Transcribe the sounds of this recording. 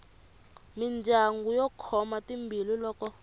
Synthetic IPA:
mind͡ʒʱaŋɡujɔkʰɔmatimbʱililɔːkɔ

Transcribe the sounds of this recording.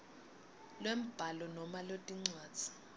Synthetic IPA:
lwem̩b̥ʱalɔnɔmalotʼiŋ͡ǀaːd̥z̥ʱi̥

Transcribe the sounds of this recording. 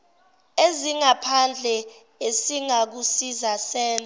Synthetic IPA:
eziŋapʰand͡ɮʱɛ | esiŋak̬usizasɛːnʼa

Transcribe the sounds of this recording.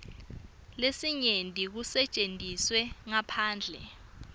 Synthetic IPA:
lesiɲentʼik̬usɛt͡ʃʼentʼiswɛŋapʰaːnd͡ɮʱɛ̰

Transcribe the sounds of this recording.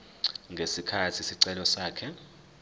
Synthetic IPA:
ŋɡʱesikʰatʰisiǀɛlɔsaːkʰɛ

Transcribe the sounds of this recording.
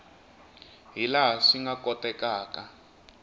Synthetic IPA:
ɦilaɦʂiŋɡakʼɔtʼɛkʼaːka

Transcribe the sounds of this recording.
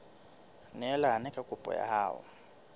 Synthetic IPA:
nɛɛlanɛkʼakʼupʼɔ̰ja̰haːwɔ̰

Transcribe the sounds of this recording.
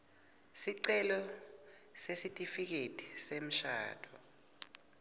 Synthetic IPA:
siǀɛlɔ | sesitʼifik̬etʼi̥sem̩ʃa̰ːtʰɔ

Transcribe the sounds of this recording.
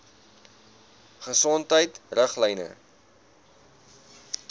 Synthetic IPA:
χəsɔntəjtrəχlɛjnə̰

